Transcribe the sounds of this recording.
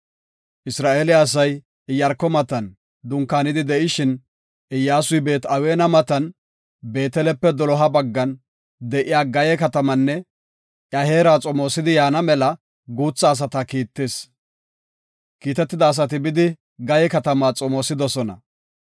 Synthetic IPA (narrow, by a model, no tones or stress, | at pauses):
ʔɪsɾaːʔeːlɪɐs̬ɐj | ɪjːɐɾkːɔmɐt̪ɐn | d̪ʊŋkːaːnɪd̪ɪd̪ɛʔɪʃɪn | ɪjːaːsʊjbe̞ːt̪ɐweːnɐmɐt̪ɐn | be̞ːt̪ɛlɛpːɛd̪ɔlɔɦɐbɐɡːɐn | d̪ɛʔɪjaːɡɐjɛkɐt̪ɐmɐnːɛ | ʔjɐhe̞ːɾaːt͡sʼɔmoːsɪd̪ɪjaːnɐmɛlɐ | ɡuːt͡sːɐːs̬ɐt̪ɐkiːt̪ːeːs | kiːt̪ɛt̪ːɪd̪ɐːs̬ɐt̪̬ɪbɪd̪ɪ | ɡɐjɛkɐt̪ɐmaːt͡sʼɔmoːsɪd̪ɔsɔnɐ̰